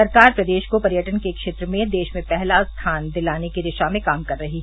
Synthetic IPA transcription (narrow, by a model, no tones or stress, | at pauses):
ɐɾkaːɾpɾɐd̪eːʃkopɐɾjəʈənkekʃeːt̪ɾəmẽd̪eːʃmẽpɛɦlast̪ʰaːnd̪ɪlaːnekiɾɪʃamẽkaːmkɐɾːɐɦi